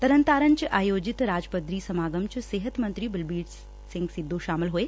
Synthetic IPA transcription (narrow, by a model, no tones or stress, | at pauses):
t̪ɐɾənt̪aːɾənt͡ʃʔaːjoːd͡ʒɪt̪ɾaːd͡ʒpəd̪ɾiːsɐmaːɡəmt͡ɕseːɦət̪mɐ̃nt̪ɾiːbɪlbiːɾ | sɪ̃ŋɡsɪd̪ːoʃaːmɪlɦueː